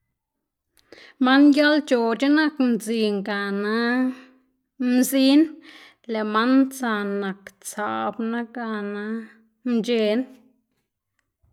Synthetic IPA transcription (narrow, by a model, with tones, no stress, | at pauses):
ma˦nja˦lt͡ʃo˨t͡ʃe˦na˦knt͡si˧˨ŋɡa˨na˦ | mzi˦n | le˨ma˦nt͡sa˧˨na˨kt͡sa̰˨bna˦ɡa˧na˧˦ | nd͡ʒe˧n